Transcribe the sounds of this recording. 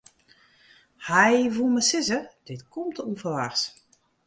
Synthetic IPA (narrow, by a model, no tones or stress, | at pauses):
hɛjvulˠməsɪzəd̥ɪtkʰɔmtʰunfəlars